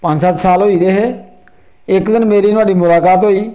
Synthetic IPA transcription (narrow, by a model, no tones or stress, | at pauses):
pə̃ɲd͡ʒsət̪saːlɦoːiːd̪eɦeː | ɪkd̪ɪnmeːɾiːnʊaːɽiːmʊlaːkaːt̪ɦoːiː